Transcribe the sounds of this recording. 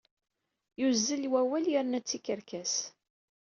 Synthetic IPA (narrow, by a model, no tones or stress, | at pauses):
juzːəlwæwæljəɾnæt͡sːikəɾkæs